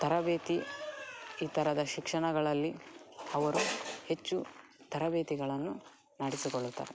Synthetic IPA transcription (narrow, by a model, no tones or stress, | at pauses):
t̪ɐɾɐbeːt̪i | iːt̪ɐɾɐd̪ɐʃikʂɐɳɐɡɐɭɐlːiɐʋɐɾuhe̞t͡ʃːu | t̪ɐɾɐbeːt̪iɡɐɭɐnːu | nɐɽisikoɭːut̪ːɐ̰ːɾɛ